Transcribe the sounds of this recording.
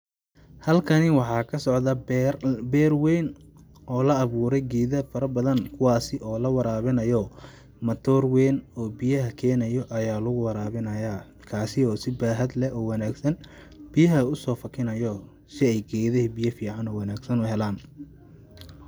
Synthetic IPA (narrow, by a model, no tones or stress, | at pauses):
hɐlkʰɐnɪwɑħɑːkʰɐsɔʕðɐ | bɛːrwɛjn | ʔɔːlɐːβuːɾɛjɡɛːðɐfɐɾɐbɐðɐnkʰʊwɑːsɪʔɔːlɐwɑɾaːβɪnɐjɔ | mɐt̪ʰɔːrwɛːnɔːbɪjɐɦɐkʰɛːnɐjɔʔɐjaːlʊɣʊwɐɾaːβɪnɐjaː | kʰaːsɪɔːsɪbaːɦɐd̪lɛɔːwɑnaːɡsɐn | b̥ɪjɐɦɐʊsɔːfɐkʰɪnɐjɔː | sɪɛjɡɛːðɐɦibijɐfiːʕɑnɔːwɑnaːɡsɐnʊɦɛlaːn